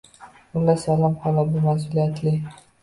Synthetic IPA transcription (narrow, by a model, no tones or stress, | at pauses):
ʊlasalɒmhɒlabʊmas̬ʊlijat̪ʰlɪ